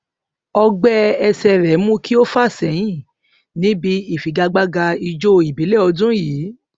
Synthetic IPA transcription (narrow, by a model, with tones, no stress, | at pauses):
ɔ˧ɡ͡bɛ˦ɛ˧sɛ˧ɾɛ˨˦mũ˦ki˦o˦fa˦˨sɛ˨˦j̃ĩ˦˨ | nĩ˦bi˧˦i˦˨fi˨˦ɡa˧ɡ͡ba˦ɡa˧i˧d͡ʒo˦i˨bi˨˦le˦˨ɔ˧dũ˦jiː˨˦